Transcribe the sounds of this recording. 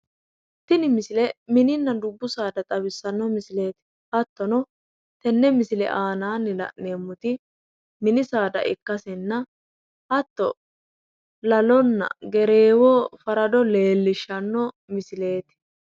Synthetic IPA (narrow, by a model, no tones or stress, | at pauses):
t̪ːɪnɪmɪsɪlɛmɪnɪnːɐd̪ʊbːʊsaːd̪ɐt̪ʼɐbɪsːɐnːɔmɪsle̞ːt̪ɪ̥ | hɐt̪ːɔnɔ | t̪ɛnːɛmɪsɪlɛ̰ʔaːnaːnɪlɐ̰ʔne̞ːmːʊt̪ɪ | mɪnɪsaːd̪ɐ̰ʔɪkːɐsɛnːɐ | hɐt̪ːɔ | lɐlɔnːɐ̰ɡɛɾe̞ːwɔfɐɾɐd̪ɔle̞ːlːɪʃːɐnːɔ | mɪsɪle̞ːt̪ɪ̥